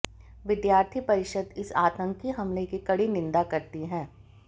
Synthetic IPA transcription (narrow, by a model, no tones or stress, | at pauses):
ʋɪd̪jaːɾt̪ʰipɐɾɪʃəd̪ɪsaːt̪ə̃ŋkiɦɐmlekikɐɽinɪ̃nd̪akɐɾt̪iɦɛ̃ː